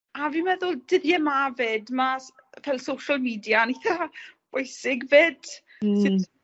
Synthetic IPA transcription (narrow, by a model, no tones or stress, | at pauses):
avimɛðʊlˠdɪðjɛmavɪdmavɛlˠsowʃəlˠmiːdjaniθab̥ojsɪɡveːd̥ | sɪ